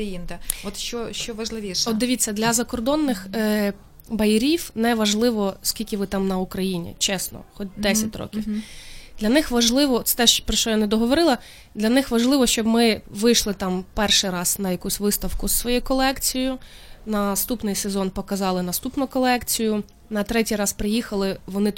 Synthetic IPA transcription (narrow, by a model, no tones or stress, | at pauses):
jind̪ɛɔt̪ʃt͡ʃɔʃt͡ʃɔʋɐʒlˠɪʋʲiʃɔd̪ɪʋʲitt͡sʲːɐd̪lʲɐzɐkɔrd̪ɔnːɪx | bɐjɪɾʲiwnɛʋɐʒlˠɪʋɔskʲilʲkʲɪʋɪt̪ɑmnɐukɾɐjinʲḭt͡ʃɛsnɔ̰xɔt̚ʲd̪ɛsʲɐtʲrɔ̰kʲiwd̪lʲɐnɪxʋɐʒlˠɪʋɔt̪sɛ̥t̪ɛʃpɾɔʃt͡ʃɔjanɛd̪ɔɦɔʋɔɾɪlˠɐ | d̪lʲɐnɪxʋɐʒlˠɪʋɔʃt͡ʃɔbmɪʋɪjʃlˠɪt̪ɑmpɛrʃɪjɾɑz̥nɐjɐkusʲʋɪst̪ɐwkʊssʋɔjɛjkɔlˠɛkt͡sʲijʊ | nɐst̪upnɪjsezɔnpɔkɐzɑlˠɪnɐst̪upnʊkɔlˠɛkt͡sʲijʊ | nɐt̪ɾɛtʲijrɑspɾɪjixɐlˠɪʋɔnɪ